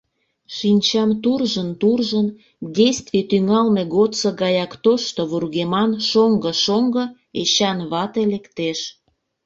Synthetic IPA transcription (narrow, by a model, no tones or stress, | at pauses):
ʃinʲt͡ɕɑmt̪urʒənt̪urʒən | dʲejst̪vit̪yŋɑlmeɣot͡səɡɑjɑkt̪oʃt̪oβurɣemɑnʃoŋɡəʃoŋɡɤ̆ | eɕɑnβɑt̪elekt̪eʃ